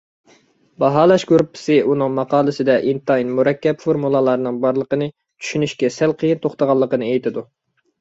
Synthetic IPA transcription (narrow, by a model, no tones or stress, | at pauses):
bɑɦɑːlˠɑʃɡuɾpʰːɪ̥sɨʔunɨŋmɑqɑːlˠɨsɪd̪ɛʔint̪ɑjinmuɾɛkʲːɛpfoɾmulˠɑlˠɑɾnɨŋbɑɾlˠəqənɨ | t͡ʃʰy̥ʃynyʃkʲɛsælqʰəjint̪ʰoχt̪ɑʁɑlˠːəqənɨejt̪ʰɪd̪u